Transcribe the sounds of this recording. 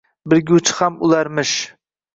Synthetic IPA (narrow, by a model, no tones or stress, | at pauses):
bɪɾɡʲʊt͡ʃʰhamʊlˠaɾmɪʃ